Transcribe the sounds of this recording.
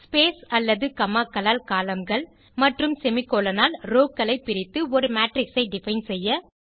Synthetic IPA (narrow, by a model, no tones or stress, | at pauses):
speːsɐlːɐðɯkɐmaːkɐlaːlkaːlɐmɡɐɭ | mɐʈrɯmsɛmɪkːoːlɐnaːlɾoːkːɐlɐɪpːɪɾɪt̪ːɯɔɾɯmaːʈrɪksɐɪɖɪfɐɪnsɛjːɐ